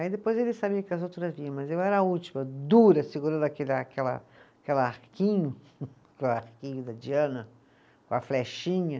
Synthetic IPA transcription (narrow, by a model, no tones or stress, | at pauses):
aid̪epojzelɪsabiɐkɪɐzowt̪ɾɐzviɐ̃w̃mɐzewɛɾɐaut͡ʃi̥mɐd̪uɾɐsiɡuɾɐ̃nd̪ʊakelɐkɛlɐ̰ | kɛlaɾkĩɲʊ | keaɾkĩɲʊd̪ɐd͡ʒiɐ̃nɐ | kõɐflɛʃĩɲɐ